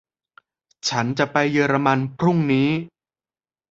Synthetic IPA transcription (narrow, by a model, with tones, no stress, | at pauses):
t͡ɕʰa˦˥nt͡ɕa˨˩pa˧jːɯː˧ɾa˧ma˧npʰɾu˥˩ŋniː˦˥